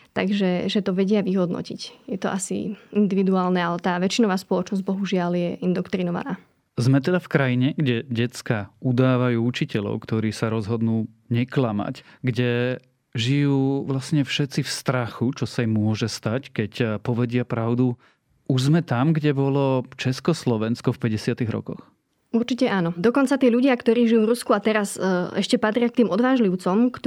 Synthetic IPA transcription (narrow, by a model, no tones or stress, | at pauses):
t̪a̰ɡʒɛʒɛt̪ɔʋɛɟɪaʋiɦɔd̪nɔ̰cḭcjɛt̪ɔʔasḭind̪iʋid̪uaːlnɛalɛt̪aːʋɛt͡ʃinɔʋaːspɔlɔt͡ʃnɔzɟbɔɦuʒɪaljɛʔind̪ɔkt̪ɾinɔʋa̰na̰ː | zmɛt̪ɛd̪afkɾajiɲɛɡɟɛɟɛt͡skaud̪aːʋajuːut͡ʃicɛʎɔ̰ʊkt̪ɔɾiːsaɾɔzɦɔd̪nuː | ɲɛklama̰cɡɟɛ | ʒijuːʋlasɲɛfʃɛt͡sifst̪ɾaxut͡ʃɔsamʊɔʒɛst̪ackɛcpɔʋɛɟɪapɾaʊd̪u | uʒzmɛt̪amɡɟɛbɔlɔt͡ʃɛskɔslɔʋɛnskɔfpɛɟɛsɪat̪iɣɾɔ̰kɔ̰x | uɾt͡ʃicɛʔaːnɔd̪ɔkɔnt͡sat̪ɪɛʎuɟɪakt̪ɔɾiːʒijuːvɾuskuat̪ɛɾasɛʃcɛpat̪ɾɪak̚t̪iːmɔd̪ʋaːʒliʊt͡sɔmkt̪